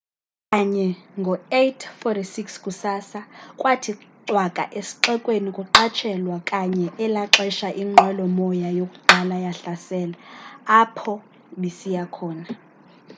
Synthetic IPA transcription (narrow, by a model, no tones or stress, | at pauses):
kʼaɲɛŋɡʱɔetʰfɔtʰisikskʼusaːsakʼwatʰiǁwakʼa̰ʔesi̥ǃɛkʼwenikʼuǁat͡ʃʰɛlwakʼaɲɛʔɛlaǁɛʃaʔiŋ͡ǃʱwɛlɔmɔjajokʼu̥ɡ͡ǃʱalajaɬasɛːlaː | pʰɔ | ɓisijakʰɔːna